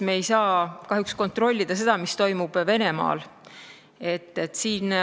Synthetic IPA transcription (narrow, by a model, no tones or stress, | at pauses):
meːjsɑːkɑɦjuksko̞nt̪ˑro̞lʲːid̪̥ɑse̞d̪̥ɑmist̪o̞jmub̥ve̞ne̞mɑ̰ːl | e̞t̪ːet̪ːˑsiːn